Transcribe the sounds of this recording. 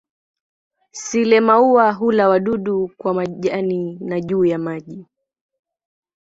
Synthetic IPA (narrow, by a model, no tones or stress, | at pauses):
silɛmauwaɦulawaɗuɗukwamaʄaninaʄuːjamaʄi